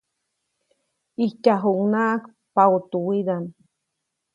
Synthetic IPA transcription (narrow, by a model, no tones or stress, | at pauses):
icaɦuŋnaʔak | paut̪uwid̪an